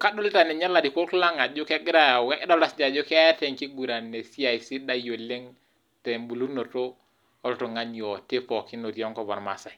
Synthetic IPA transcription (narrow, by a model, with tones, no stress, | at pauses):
ka˦do˦li˦ta˨nɛ˨ɲa˦la˨di˨kʷo˦kla˦ŋa˨d͡ʒʊ˦kɛ˦ɡɾa˦˨wɛ˦kdɔ˦la˦sd͡ʒa˨d͡ʒʊ˦ktɛ˨ŋki˦ɡu˨ɾa˨nɛ˨si˦a˨si˦da˦jo˨le˦ŋ | tɛ˨mbu˨lu˦ɾno˨to˦ | ɔ˦lto˨ŋa˦ɲi˨ɔ˨te˦pɔ˨ki˦no˨tjɔ˦ŋkɔ˦˨ba̰˨ɾma˨sa˨